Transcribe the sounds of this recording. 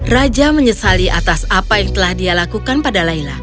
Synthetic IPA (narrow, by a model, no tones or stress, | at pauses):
rad͡ʒaməɲəsaliʔa̰t̪asapajaŋt̪əlahdialakukanpadalaila